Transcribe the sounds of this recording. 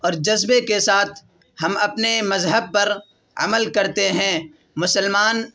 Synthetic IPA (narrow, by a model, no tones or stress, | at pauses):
ɔːɾd͡ʒɐzbekesaːt̪ʰ | hɐmɐpnemɐzɦəb̚pɐɾ | ɐ̰məlkɐɾt̪eɦɛ̃ː | mʊsəlmaːn